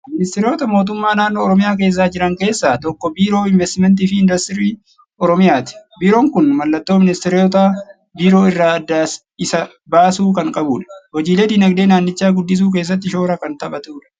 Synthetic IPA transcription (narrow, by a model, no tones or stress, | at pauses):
mɪnɪst̪ɪɾɪjo̞ːt̪ɐmo̞ːt̪̬ʊmːaːnaːnːoːɾɔmɪjaːk̬e̞ːs̬ːaːd͡ʒɪɾɐŋke̞ːsːaːt̪ɔkːɔbiːɾo̞ːɪnvɛst̪ɪmɛnt̪̬iːfɪɪnd̪ɐst̪ɪɾiː | ɔɾɔmɪjaːt̪ɪ̥biːɾo̞ːŋkʊnmɐlːɐt̪ːoːmɪnɪst̪ɪɾɪoːt̪a | biːɾo̞ːɪrːaːɐd̪ːaːs | ɪsɐ | baːsuːkɐŋkʼɐbuːᶑɐ̥hɔd͡ʒiːled̪ɪnɐɡd̪e̞ːnaːnːɪt͡ʃːaːɡʊd̪ːɪs̬uːk̬e̞ːs̬ːɐt̪̬ːɪʃo̞ːɾɐkɐnt̪ɐɐt̪uːᶑɐ̥